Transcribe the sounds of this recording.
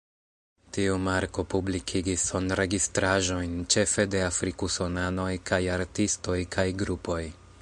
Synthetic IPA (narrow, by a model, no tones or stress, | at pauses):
tiumaɾko̞publikʰiɡisːo̞nɾe̞ɡistɾaʒo̞jnt͡ʃe̞fe̞de̞afɾikuso̞nano̞jkʰajaɾtisto̞jkʰajɡɾupo̞j